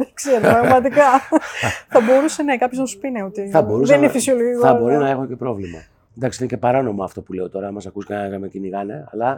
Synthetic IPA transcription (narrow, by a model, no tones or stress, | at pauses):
ðkseɾopɾɐɣmɐt̪ikɐ | θɐbo̞ɾuse̞nekɐpçoznɐsu̥pineot̪iθɐbo̞ɾuseninfisioloɣɐbo̞ɾonɐe̞xoce̞pɾo̞vlimɐ | nd̪ɐksiinecepɐɾono̞moɐft̪o̞pule̞o̞t̪o̞ɾɐmɐsɐkuskeeɣɐmeciniɣɐneɐlɐ